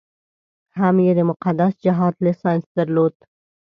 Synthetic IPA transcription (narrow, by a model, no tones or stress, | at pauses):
hamjed̪emʊqad̪asd͡ʒaɦɑːt̪lesansd̪əɾloːt̪